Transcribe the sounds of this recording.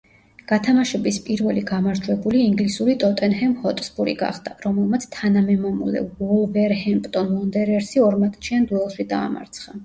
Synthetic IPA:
ɡ̥at̪ʰamaʃɛbispʼiɾvɛliɡamaɾd͡ʒwɛbuliːŋɡlisuɾit̪ʼɔt̪ʼɛnɦɛmhɔt̪ʼsbuɾḭɡa̰χd̪̥aɾɔmɛlˠmat̪sʰt̪ʰanamɛmamṵlɛ̰ɡɔlˠvɛɾhɛmpʼt̪ʼɔnlˠɔnd̪ɛɾɛɾsiɔɾmat̪ʼt͡ʃʰiand̪uɛlˠʃid̪a̰ːma̰ɾt̪sʰχa

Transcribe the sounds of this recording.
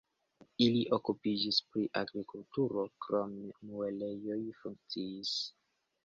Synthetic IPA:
iliʔokupid͡ʒispɾiʔaɡɾikultuɾo̞kɾomːuele̞jo̞jfuŋk̚t͡siis

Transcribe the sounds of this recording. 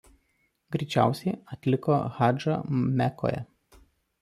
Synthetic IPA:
ɡɾʲɛɪt͡ʃʲæ̰ˑʊsʲɛɪɐt̪ʲlʲɪkoːɣɑd͡ʒɐ̰mʲæko̰jɛ̰

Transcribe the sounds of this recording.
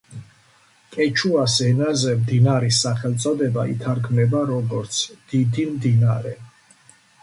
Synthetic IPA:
kʼɛt͡ʃʰuasɛnazɛmd̪inaɾisːaχɛlt̪sʼɔd̪ɛbaḭt̪ʰaɾɡmnɛbaɾɔɡɔɾt̪sʰd̪̥id̪imd̪inaɾɛ

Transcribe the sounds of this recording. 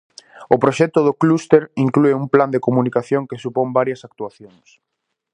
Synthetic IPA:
ʊpɾoʃɛk̚t̪ʊðʊklust̪eɾiŋklueumpland̪ekomunikaθjoŋkesupombaɾjɐsak̚t̪uaθjoŋs

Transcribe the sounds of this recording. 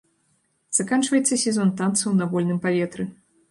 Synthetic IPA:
z̥akant͡ʂvɐjɛt̪sːɐsʲɛzɔnt̪ant̪sɨwnɐvɔlʲnɨmpavʲɛt̪ɾɨ

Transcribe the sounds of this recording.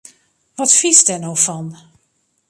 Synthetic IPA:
ʋɔtfisdɛnowfɔn

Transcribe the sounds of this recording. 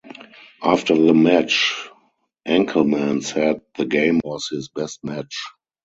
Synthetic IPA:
ʔaftə˞ðəmæt͡ʃ | ʔæ̃ŋkʰəl̩mæ̃nsɛd̚ðəɡẽɪ̃mwɔshɪsbɛst̚mæt͡ʃ

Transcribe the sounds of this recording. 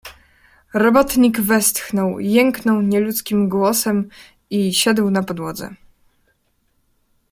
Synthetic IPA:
ɾɔbɔt̪ɲiɡvɛst̪xnɔwjɛŋknɔwɲɛlut̪skʲimɡwɔsɛm | iɕɛd̪wnapɔd̪wɔd̪zɛ̰

